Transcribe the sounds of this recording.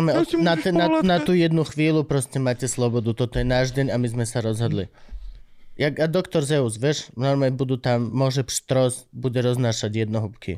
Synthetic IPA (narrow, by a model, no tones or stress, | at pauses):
mɛɔnat̪ɛnanat̪uːjɛd̪nuxʋiːlupɾɔscɛmaːcɛslɔbɔd̪ut̪ɔt̪ɔjɛnaːʒɟɛɲamizmɛsaɾɔzɦɔd̪lḭ | jaɡad̪ɔkt̪ɔɾzɛuzʋjɛʃnɔɾmɛbud̪ut̪amːɔʒɛpʃt̪ɾɔsbuɟɛɾɔznaːʃaɟjɛd̪̚nɔɦupkʰḭ